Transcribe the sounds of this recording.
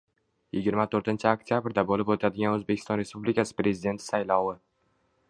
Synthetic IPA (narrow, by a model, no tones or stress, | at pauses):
jɪɡʲɪɾmat̪ʰɵɾt̪ɪnt͡ʃʰɪakt̪ʰʲjabɾd̪abolɪpot̪ʰad̪ɪɡʲanɵzbe̞kʲʰɪ̥st̪ɒnɾe̞spublɪkʰʲasɪ̥pɾezɪd̪e̞nt̪ʰɪ̥sajlˠɒwɪ